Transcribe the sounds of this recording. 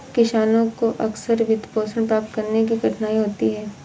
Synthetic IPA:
kɪʃaːnõkoʔɐksəɾʋɪd̪poːsəɽ̃pɾaːp̚t̪kɐɾnekiɡɐʈʰnaːiɦoːt̪iɦɛː

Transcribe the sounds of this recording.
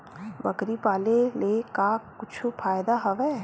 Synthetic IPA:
bɐkɾipaːlelekakʊt͡ʃʰufʰaːjd̪aɦɐʋɛ

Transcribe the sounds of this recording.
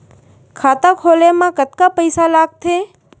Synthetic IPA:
kʰaːt̪ãkʰoːlemãkət̪̚kapəɪsalaːɡ̚t̪ʰeː

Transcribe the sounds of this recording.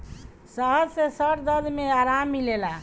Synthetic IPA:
səɦəd͡ʒsẽsəʈd̪əd̪ʱmeaɾamːilela

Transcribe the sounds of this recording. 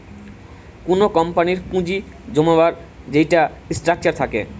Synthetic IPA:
konokɔmpaniɾkũd͡ʑi | d͡ʑomabaɾ | d͡ʑejʈasʈɾak̚t͡ɕaɾt̪ʰakḛ

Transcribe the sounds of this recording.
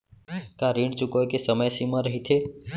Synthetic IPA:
kãɾĩːɳt͡ʃukojkesəməjsimãɾəɦit̪ʰeː

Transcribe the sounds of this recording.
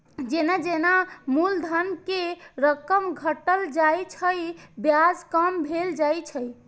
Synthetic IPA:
d͡ʒenad͡ʒenamuld̪ʱənkeɾəkəmɡʱəʈəld͡ʒajt͡ʃʰəjbjad͡ʒkəmbʱeld͡ʒajt͡ʃʰəj

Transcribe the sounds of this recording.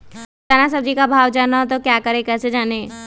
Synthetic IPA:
tanasɐb̚d͡ʒikabʱaːʋd͡ʒaːnat̪okjaːkɐɾẽkɛːsed͡ʒaːneː

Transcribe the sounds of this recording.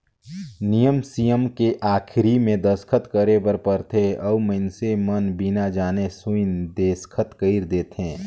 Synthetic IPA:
nijəmsijəmkeʔaːkʰɪɾimẽd̪əskʰət̪kəɾebəɾpəɾt̪ʰeɔːməɪnsemənbinad͡ʒaːnesuɪnd̪eːskʰət̪kəɪɾd̪eːt̪ɦẽː

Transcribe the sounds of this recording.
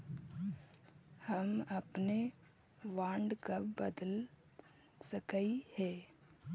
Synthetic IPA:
həmɐpne | ʋãːɳɖkabəd̪əl | səkaihɛ̃ː

